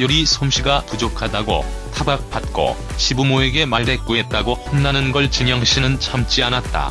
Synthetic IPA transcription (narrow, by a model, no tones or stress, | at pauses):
juɾisʰomɕʰiɡapud͡ʑokʰadaɡo̰ | tʰabak̚p͈at̚k͈o̰ | ɕʰibumoe̞ɡe̞maɭde̞k̚k͈uet̚t͈aɡohʌmnanɯnɡʌɭt͡ɕɯɲʌŋɕʰinɯnt͡ɕʰʌmt͡ɕ͈ianat̚t͈a̰